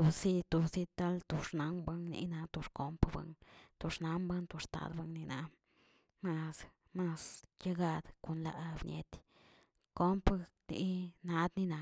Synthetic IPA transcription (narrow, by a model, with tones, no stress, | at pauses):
u˨bsi˦t̪o˨bsi˧t̪a˦lt̪u˨ʂna˨˦mba˦ŋnḭ˧˦na˧t̪o˧ʂko˧mpba̰˧ŋt̪o˨˧ʂna˨˦mba˦nt̪o˧ʂt̪a̰˧d̪ba˧ŋni˧na˨˧ | ma˧s | ma˧sja˦˧ɡa˧d̪ko˨nla̰˧ʔbɲʲḛ˨˧t̪ | ko˦mp | nḭ˧na˧d̪ni˧na˨